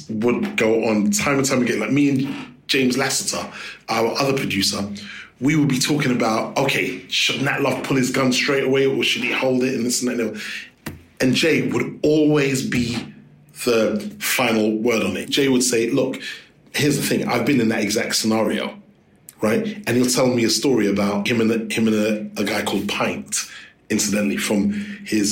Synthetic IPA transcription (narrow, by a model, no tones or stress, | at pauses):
wəd̚ɡoʊʔə̃n̩tʰãɪ̃mətʰãɪ̃mɨɡɛɪ̃laɪk̚miɨ̃n̥ʒ̥ẽɪ̃mzlæsətʰə̰ʔaə˞ʔʌðə˞pʰɹ̥ɨdʉsəwiwəd̚bitʰɔkɪ̃ŋɨbaʊt̚oʊkʰeɪʃɨdⁿn̩əʔlʌv̥pʰʊlˠɨzɡʌ̃nstɹ̥eɪɾəweɪəʃɨd̚ihoʊlˠdɪtɨ̃nlɪsn̩ðətɛniw | ɨ̃nd͡ʒeɪwəɾɔlˠwizbi | ðəfãɪ̃nl̩ˠwɜ˞ɾn̩ɪ̰t̚d̥ʒ̥eɪwəd̥seɪlʊk | hɪɹzðəθɪ̃ŋa̰ɪvbɨ̃nɨ̃nðɨɾɨɡzæk̚tsənɑɹio̰ʊ | ɹaɪt̚ɨ̃nhilˠtʰɛlˠmiɨstɔɹiɨbaʊt̚hɨ̃mɨ̃nhɨ̃mɨ̃nɨəɡaɪkʰɔlˠd̚pʰãɪ̃nt | ɪ̃nsɨdɨ̃nʔlifɹʌ̃mɪz̥